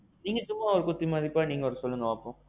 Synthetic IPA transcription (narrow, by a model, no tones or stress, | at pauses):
niːŋɡɐt͡ʃʊmːaɔɾɯkʊt̪ːimaːðɪpːaːniːŋɡɐɔɾsɔlːɯŋɡɐʋaːpːõː